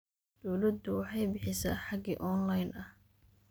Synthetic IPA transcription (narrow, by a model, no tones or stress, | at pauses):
d̪̥ɔwlɐd̪ʊwɑħɑjbɪħɪsa̰ːħɑɡiːʔɔːnlɐjnɐh